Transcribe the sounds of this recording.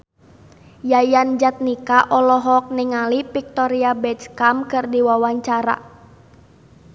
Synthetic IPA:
jajand͡ʒat̪̚nikaʔɔlɔɦɔk̚niŋalipik̚t̪ɔɾiabɛt͡ʃkamkɨrdiwawaɲt͡ʃaɾa̰

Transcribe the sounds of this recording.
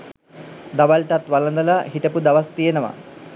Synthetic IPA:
d̪aʋalʈat̪ʋalənd̪əlaɦiʈəpud̪aʋast̪ijenəʋa̰

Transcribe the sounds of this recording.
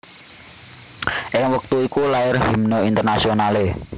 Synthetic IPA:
ʔɪŋwək̚t̪uikulaɪrɦimnɔint̪ərnasionale

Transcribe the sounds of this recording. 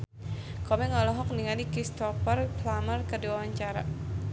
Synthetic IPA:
kɔmɛŋɔlɔɦɔk̚niŋanikist̪ɔpərplamərkərdiwawaɲt͡ʃaɾa̰

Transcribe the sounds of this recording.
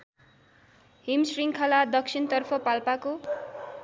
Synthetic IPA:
ɦimsriŋkʰalad̪ʌksʰint̪ʌrpʰʌpalpako

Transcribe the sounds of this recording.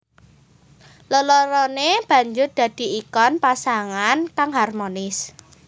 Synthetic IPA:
ləlɔɾɔneb̥ä̤ɲd͡ʒʊrd̪̥ä̤d̪̥i̤ikɔnpasaŋankaŋɦarmonɪs

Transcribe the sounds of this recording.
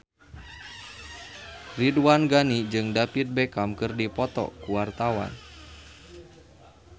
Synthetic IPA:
riduwanɡanid͡ʒɨŋdapit̪̚bɛkamkɨrdipɔt̪ɔ̰kuwart̪awa̰n

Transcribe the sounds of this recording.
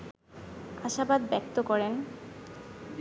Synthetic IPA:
aʃabad̪bɛk̚t̪okɔɾen

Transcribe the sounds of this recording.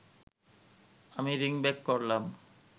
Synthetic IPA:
amiɾiŋbekːoɾlam

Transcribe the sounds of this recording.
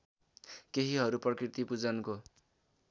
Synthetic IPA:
keɦiɦʌɾuprʌkit̪ipud͡zʌnko

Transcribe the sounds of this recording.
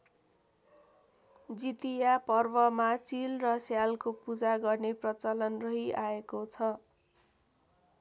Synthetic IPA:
d͡zit̪ijapʌrbʌmat͡silrʌsjalkopud͡zaɡʌrneprʌt͡salʌnrʌɦiʔaekot͡sʰʌ

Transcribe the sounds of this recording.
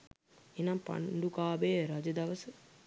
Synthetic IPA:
enampa̰ɳɖukaːbejəɾad͡ʒəd̪ɐʋəsə

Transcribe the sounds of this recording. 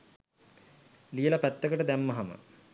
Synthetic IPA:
lijəlapæt̪ːəkəʈəd̪æmːɐɦamə̰

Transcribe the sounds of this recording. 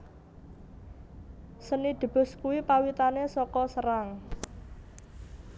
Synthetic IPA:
sənid̪̥ə̤b̥ʊ̤skuwipawit̪anesɔkɔsəɾaŋ

